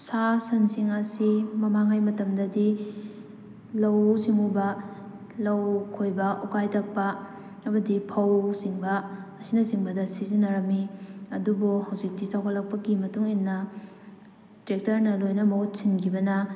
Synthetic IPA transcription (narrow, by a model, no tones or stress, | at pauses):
sasɐnsiŋɐsimɐmaŋajmɐtɐmdɐdi | lɐwsiŋubɐ | lɐwkʰojbɐʔukajtʰɐk̚pɐ | ɐmɐdipʰɐwsiŋbɐː | sinɐsiŋbɐdɐsizinːɐɾɐmiɐdubuhɐwzik̚ditʰawkʰɐlːɐk̚pɐɡimɐtuŋinːɐ | tɾek̚tɐɾnɐlojnɐmɐut̚sinkʰibɐnɐ